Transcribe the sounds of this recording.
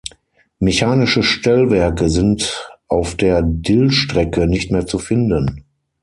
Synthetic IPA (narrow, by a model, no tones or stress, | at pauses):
meçaːnɪʃəʃtɛlvɛɐkəzɪntʔaʊfd̥eːɐdɪlʃtʁ̥ɛkənɪçtmeːɐt͡sufɪndən